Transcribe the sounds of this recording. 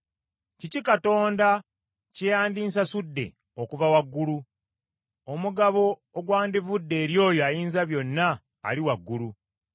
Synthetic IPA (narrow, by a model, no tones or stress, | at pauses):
cicikato̞ːnda | cejaːndiːnsasudːe̞̰ | okuvawaɡːulu | omuɡaβo̞ːɡwaːndivudːe̞ːɾjo̞ːjoajiːnzaβjo̞nːa̰ː | liwaɡːulu